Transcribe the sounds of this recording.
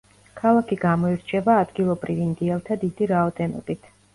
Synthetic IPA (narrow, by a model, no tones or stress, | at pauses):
kʰalˠakʰiɡamɔiɾt͡ʃʰɛbaːd̪ɡilˠɔbɾivind̪iɛlˠt̪ʰad̪id̪iɾaɔd̪ɛnɔ̰bit̪ʰ